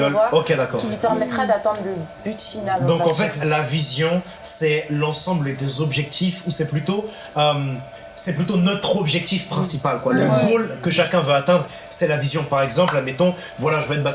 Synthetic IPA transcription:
okʲed̪akɔkipɛʁmɛt̪χad̪at̪ɛ̃d̪ʁləbyt̪finald̪ɔ̃kkɑ̃fɛt̪lavizjɔ̃ | sɛlɑ̃sɑ̃bləd̪ezɔbʒɛk̚t̪ifusɛplyt̪o | øm | sɛplyt̪onɔt̪χɔbʒɛk̚t̪ifpχɛ̃sipalkwaləɡolkəʃakʲɛ̃vøat̪ɛ̃d̪ʁ | sɛlavizjɔ̃paʁɛɡzɑ̃plamɛt̪ɔ̃ | vwalaʒəvəɛt̪̚ba

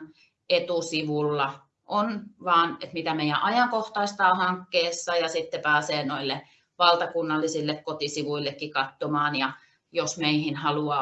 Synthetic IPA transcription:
et̪usiʋulːɑ | ʔonʋɑːnḛt̪mit̪æmeijæ̰ʔɑjɑŋkoht̪ɑist̪ɑːhɑŋkːeːsːɑjɑsit̪ːepæːseːnoilːe | ʋɑlt̪ɑkunːɑlːisilːekkot̪isiʋuilːekːikɑt̪ːomɑːnjɑ | josmeihinhɑluɑː

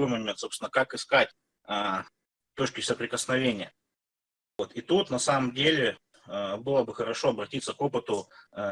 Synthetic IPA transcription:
ojmɐmʲent̪so̞psʲɪnəkakɪskatʲ | ə | t̪ot͡ɕkʲɪsəpɾʲɪkəsnɐvʲenʲɪjə | vo̞t̪it̪ut̪nɐsaməmdʲelʲɪ | əbɨlˠəbɨxəɾɐʂo̞ɐbɾɐtʲit̪səko̞pɨt̪ʊ

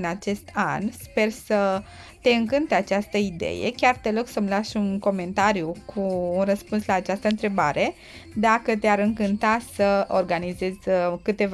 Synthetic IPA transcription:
nat͡ʃe̞st̪ʰa̰nspe̞rsə | t̪e̞ɨŋkɨnt̪eat͡ʃast̪əid̪ḛjḛkʲart̪eloksəmlaʃunko̞me̞nt̪aɾjukʰuːnrəspunslaːt͡ʃast̪əɨnt̪ɾe̞baɾʔe̞ | d̪akət̪eaɾɨŋkɨnt̪asəo̞rɡanize̞zʲkɨt̪e̞v

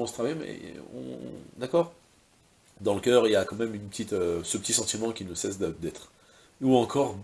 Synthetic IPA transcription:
ɑ̃sət̪χavajemɛ̰ɔ̰̃d̪akɔːʁ | d̪ɑ̃ləkʲœːʁiljakɑ̃mɛmynpət̪it̪øsəpət̪isɑ̃t̪imɑ̃kʲinəsɛsd̪əd̪ɛt̪χ | uɑ̃kʰɔʁ

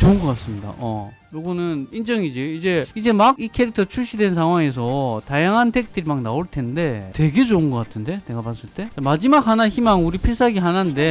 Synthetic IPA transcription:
t͡ɕoɯnɡʌk͈ats͈ɯmɲida̰ʔʌ | joɡʌnɯnind͡ʑʌŋid͡ʑiid͡ʑe̞id͡ʑe̞makikʰeɾik̚tʰʌt͡ɕʰuɭɕ͈ʰidwe̞nsʰaŋwaŋe̞s̬ʰʌtajaŋɦantʰe̞k̚t͈ɯɾimaknaoɭtʰe̞nde̞twe̞ɡe̞d͡ʑoɯnɡʌk͈atʰɯnde̞ne̞ɡapans͈ɯɭt͈e̞t͡ɕamad͡ʑimak̚hanaçimaŋuɾipʰiɭs͈aɡiɦanande̞

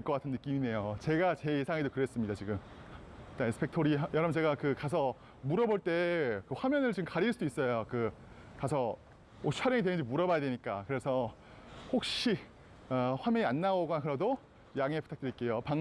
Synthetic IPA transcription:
eɭk͈ʌk͈atʰɯnːɯk͈imine̞jot͡ɕe̞ɡat͡ɕe̞jesʰaŋedokɯɾe̞s͈ɯmɲidat͡ɕiɡɯm | t͈aesɯ̥pʰe̞k̚tʰoɾijʌɾʌmnt͡ɕe̞ɡakɯkasʰʌ | muɾʌboɭt͈e̞kɯɸwamjʌnɯɭt͡ɕiɡɯmkaɾiɭs͈uduis͈ʌjokɯ | kasʰʌ | owaɾjʌŋidtwenɯnd͡ʑimuɾʌbajadweɲik͈akɯɾe̞sʰʌ | hok̚ɕ͈i | aɸwamjʌɲianːaoɡonakɯɾʌdo | jaŋepu̥tʰak̚t͈eik͈e̞jopaŋ

